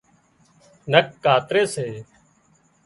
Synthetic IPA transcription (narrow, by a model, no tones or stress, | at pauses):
nəkːaːt̪ɾeːseː